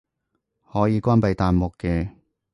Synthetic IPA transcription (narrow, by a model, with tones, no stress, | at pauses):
hɔː˨˥jiː˨˧kʷaː˥npɐ˨˧jt̪aː˨nmʊ˨kːɛː˧